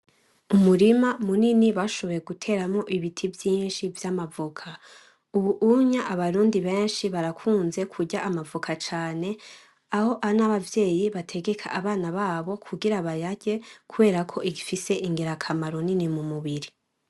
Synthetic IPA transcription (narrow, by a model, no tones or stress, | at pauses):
umuɾimamuniniβaʃo̞βo̞jeɡutʰe̞ːɾamŋo̞ʔiβitʰivjiːnʃivjamavukʰa | uβuʔuɲaʔaβaɾuːndiβeːnʃiβaɾakʰuːnze̞kʰuɟaʔːmavukʰat͡ʃaːne̞ | aho̞ʔaonaβavje̞ːjiβatʰe̞ɡekʰa̰ʔaβaːnaβaːβo̞kʰuɡiɾaβajaɟe̞kuβe̞ːɾakʰo̞ʔiɡifise̞ʔiŋɡeɾakʰamaɾo̞ninimumuβiɾi